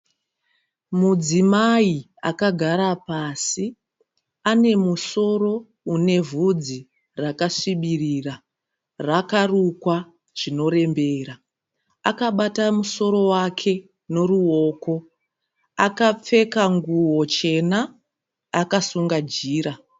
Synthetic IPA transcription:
mud͡zimai | a̰kaɡʱaɾapasi | ane̞muso̞ro̞ | une̞vʱud͡zi | rakasiɓirira | rakarukwa | ʐ̥ino̞ɾe̞mbe̞ra | akaɓatamuso̞ɾo̞wakʰe̞ | no̞ɾuo̞ːko̞ | akap͡fe̞kaŋɡuwo̞t͡ʃe̞naː | kasuŋɡad͡ʒiːɾa

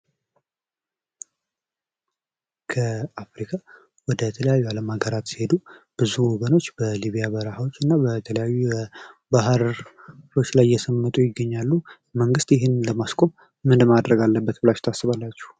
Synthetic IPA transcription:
kʰəafɾikʰʼa | wɔd̪ət̪ʰələjajːualəmaɡəɾat̪si̥he̞d̪ub̥ɨzuwɔɡəno̞t͡ʃːbəliβijabəɾəhawo̞t͡ʃːɨnːabət̪ʰələjajːubaɦɾ | o̞t͡ʃːlajːɛsəmːət̪ʼujɪɡːəɲːalːu | məŋɡɨst̪jɪɦɨnləmaskʼo̞mː | ɨnd̪mad̪ɾəɡalːəbːət̪bɨlaʃt̪ʰasːɨβalːat͡ʃːɛ̥

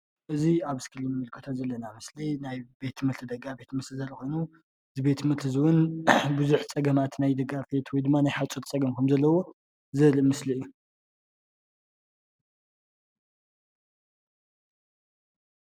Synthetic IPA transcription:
ʔɨziaβɨskʰɨlimɨmɨlkʰɨt̪ʰozɐlːɐnamɨslinajbe̞t̪ʰmɨlt̪ʰɨd̪ɐɡabe̞t̪ʰmɨt̪ɨzɐlko̞jnu | ɨzibe̞t̪mɨlt̪ʰɨzɨwʊnbɨzuħt͡sʼɐɡɐmat̪najd̪ɐɡafet̪ʰwɔjd̪ɨmːanajħat͡ʃʼot̪t͡sʼɐɡɐmkʰɐmzɐlːɐwo̞ | zɨlɨmɨsliɨjːu

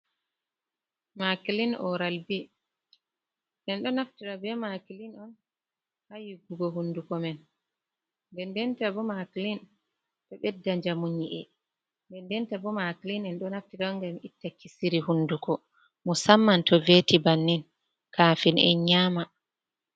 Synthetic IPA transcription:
makilinɔ̰ɾalbi | ʔɛnɗɔnaftiɾabɛmakilinɔn | hajiɡuɡɔɦundukɔmɛn | ndɛndɛntabɔmaklin | tɔɓɛdːaɲd͡ʒamuɲiʔɛ | ndɛndɛntabɔmakilinɛnɗɔnaftiɾaŋɡamitːakisiɾihunːdukʰɔ | mɔsamːantɔvetibanːin | kʰaːfinɛ̰ɲaːma

